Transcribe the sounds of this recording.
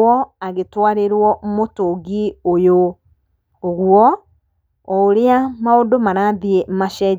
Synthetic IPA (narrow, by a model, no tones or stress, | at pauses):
ɔaɣetwaɾeɾwɔmotoɡiojo | oɣwɔ | ɔːɾeamaodomaɾaːðiemaʃɛ